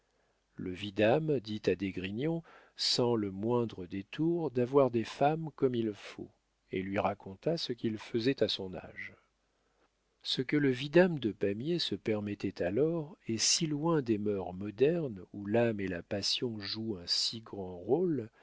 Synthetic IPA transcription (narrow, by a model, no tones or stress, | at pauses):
ləvid̪amd̪it̪ad̪eɡʁinjɔ̃ | sɑ̃ləmwɛ̃d̪ʁəd̪et̪ʰuʁd̪avwaʁd̪efamkɔmilfo̰ | ḛlɥiʁakɔ̃t̪asəkʲilfəzɛt̪asɔ̃na̰ʒ | səkələvid̪amd̪əpamjesəpɛʁmɛt̪ɛt̪ʰalɔʁɛsilwɛ̃d̪emœʁmɔd̪ɛʁnulamelapasjɔ̃ʒuɛ̃siɡʁɑ̃ʁol